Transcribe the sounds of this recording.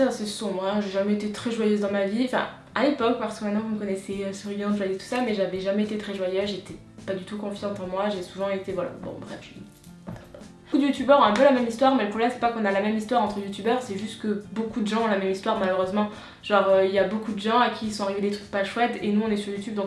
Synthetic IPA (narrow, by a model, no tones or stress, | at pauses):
sasɛsɔ̃bʁɛ̃ʒeʒamɛet̪et̪χɛʒwajøzd̪ɑ̃maviɑ̃fɛ̰̃ | alepɔk̚paʁsə̥kəmɛ̃t̪nɑ̃vuməkɔnɛsɛøsyʁyljɑ̃ʒəavit̪u̥samɛʒavɛʒamɛet̪et̪χɛʒwajøzʒet̪ɛ | pad̪yt̪ukɔ̃fjiɑ̃t̪ɑ̃mwaʒesuvɑ̃et̪evwala̰bɔ̰̃bʁɛ̰fʒə | kud̪əjut̪ybœʁɛ̃ɛ̃pølamɛmist̪waʁmɛləpχɔblɛmsɛ̥pakɔ̃nalamɛmist̪waʁɑ̃t̪χəjut̪ybœʁsɛʒyst̪kəbokud̪əʒɑ̃ɔ̃lamɛmist̪waʁmaløʁøzmɑ̃ | ʒ̥ɑ̃ʁøiljabokud̪əʒɑ̃akʲʰisɔ̃aʁivead̪et̪χyk̚paʃwɛt̪enuɔ̃nɛsyʁjut̪yb̚d̪ɔ̃k